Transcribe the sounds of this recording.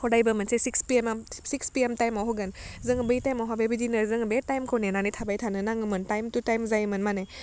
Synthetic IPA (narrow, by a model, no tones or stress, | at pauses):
hodajbɐmɐnsesikspiemsikspiemtajmawɦɔɡɯnzɯŋbɯjtajmawɦabebidinɯɾzɯŋbetajmkʰownenanitʰabajtʰanɯnaŋɯmɯntajmtutajmzajɯmɯnmana